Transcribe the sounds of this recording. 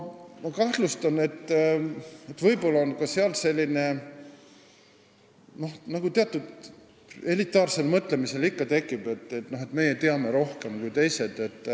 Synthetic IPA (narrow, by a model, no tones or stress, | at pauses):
mɑkɑht̪lust̪ɑne̞t̪ː | et̪ːvɤjpo̞lːɑonkɑseɑlse̞lʲːine̞ | no̞hnɑɡ̥ut̪eɑt̪ːˑud̪ | e̞lit̪ːˑɑːrse̞lmɤt̪ˑle̞mise̞likːɑt̪e̞kˑːib̥e̞t̪ːet̪no̞ɦe̞t̪me̞jet̪eɑme̞ɾo̞hke̞mkujt̪e̞jse̞d̪̥e̞t̪ːˑ